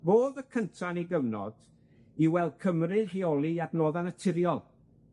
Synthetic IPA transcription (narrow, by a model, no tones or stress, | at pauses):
boːðəkʰəntʰaniɡəvnɔ̰d̥ | iwɛlˠkʰəmrɨheɔlˠiabnoːðanətʰɪɾjɔlˠ